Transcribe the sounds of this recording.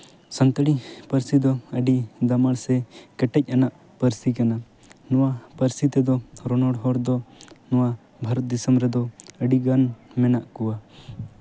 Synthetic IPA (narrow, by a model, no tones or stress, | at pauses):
sənt̪əɽipəɾsid̪ɔəɖid̪amaɽsɛkɛʈɛc̚ˀanaʔ | pəɾsikana | nɔwapəɾsit̪ɛd̪ɔɾɔnɔɽɦɔɽd̪ɔnɔwa | bʱaɾɔt̪̚d̪isəmbɾɛd̪ɔəɖiɡanmɛnaʔkuwa